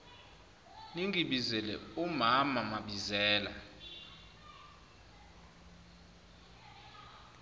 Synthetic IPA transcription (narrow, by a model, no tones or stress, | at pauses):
niŋiɓizɛlɛ̰umamamaɓizɛːla